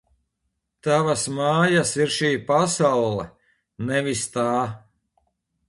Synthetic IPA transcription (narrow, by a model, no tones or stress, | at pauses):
t̪avasmaːjasiɾʃiːpasawlˠɛ̰ | nɛvist̪aː